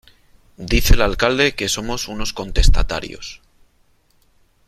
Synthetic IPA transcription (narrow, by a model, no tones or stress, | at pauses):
d̪iθe̞lalkald̪e̞ke̞so̞mo̞suno̞sko̞nt̪e̞st̪at̪a̰ɾjo̞̰s